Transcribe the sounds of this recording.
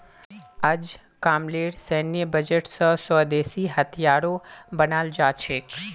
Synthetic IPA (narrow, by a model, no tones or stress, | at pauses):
əd͡ʒ | kaːmleːɽsɛːnijəbəd͡ʒəʈsəsɔːd̪eːsiɦət̪ʰijaːɽobənaːld͡ʒaːt͡ʃʰeːk